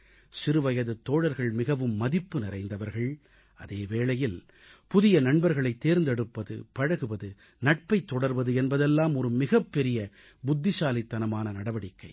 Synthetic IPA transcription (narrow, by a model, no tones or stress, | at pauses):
sɪɾɯʋɐjɐðɯt̪ːoːɽɐɾɣɐɭmɪɣɐʋɯmːɐðɪpːɯnɪɾɐɪnd̪ɐʋɐɾɣɐɭ | ʔɐðeːʋeːɭɐjɪl | pʊðɪjɐnɐɳbɐɾɣɐɭɐɪt̪ːeːɾnd̪ɛɽɯpːɐðɯ̰pɐɻɐɣɯʋɐðɯ | nɐʈ̚pɐɪt̪ːɔɽɐɾʋɐðɯɛnbɐðɛlːaːmɔɾɯmɪɣɐpːɛɾɪjɐ | bʊd̪ːɪsaːlɪt̪ːɐnɐmaːnɐnɐɽɐʋɐɽɪkːɐɪ